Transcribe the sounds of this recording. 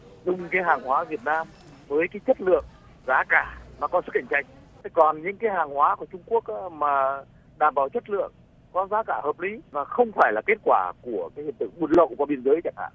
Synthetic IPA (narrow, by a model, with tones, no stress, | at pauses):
zʊ˨˩ŋ͡mkaː˨˦jɦaː˨˩ŋhwaː˨˦vi˨˩ət̚naː˧m | vəː˨˦jkaː˨˦jt͡ɕə˦˥t̚lɨ̰˧˨əŋ | zaː˨˦kaː˧˩maː˨˩kɔ˨˦sɨ˦˥k̚ʔa˧˩jŋ̟t͡ɕa˧jŋ̟˨˦ | kɔ˨˩nɲɨ̰˧˥ŋkaː˨˦jhaː˨˩ŋhwaː˨˦ku˧˩t͡ɕʊ˧ŋ͡mku˦˥ək̚ʔaː˨˦maː˨˩ | ɗaː˨˩mɓaː˧˩wt͡ɕə˦˥t̚lɨ̰˧˨əŋ | kɔ˨˦zaː˨˦kaː˧˩həː˨˩p̚li˨˦vaː˨˩xə˧wŋ͡mfaː˧˩jlaː˨˩ke˦˥t̚kwaː˧˩ku˧˩əkaː˨˦hi˧˨ənt̪ɨ̰˧˨ŋmu˨˩t̚lə̰˧˨˩wa˧ɓi˧ənzəː˨˦jt͡ɕa̰˧˩ŋ̚a̰ː˧˨